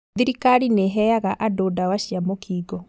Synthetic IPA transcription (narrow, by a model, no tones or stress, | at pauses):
ðiɾikaɾineɦɛaɣaʔadoːdawaɕjamokʰiːɡɔ